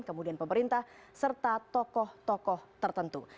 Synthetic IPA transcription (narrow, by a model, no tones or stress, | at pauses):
nkəmudianpəməɾint̪ahsərt̪at̪ɔkɔht̪ɔkɔht̪ərt̪ənt̪ṵ